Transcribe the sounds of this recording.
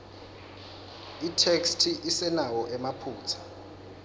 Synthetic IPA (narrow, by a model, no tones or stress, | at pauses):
itʰekstʰiʔisɛnawɔʔɛmapʰuːt͡sʰḁ